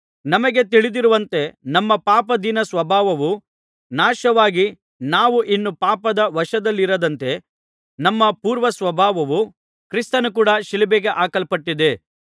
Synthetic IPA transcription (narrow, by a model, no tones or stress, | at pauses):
nɐmɐɡe̞t̪iɭid̪iɾuʋɐnt̪e̞nɐmːɐpaːpɐd̪inɐsʋɐbʱaːʋɐʋu | naːʃɐʋaːɡi | naːʋuʔinːupaːpɐd̪ɐʋɐʃɐd̪ɐlːiɾɐd̪ɐnt̪e̞ | nɐmːɐpuːɾʋɐsʋɐbʱaːʋɐʋu | kɾist̪ɐnuk̬uːɽɐʃilibeːɡeʔaːkɐɭpɐʈːid̪e̞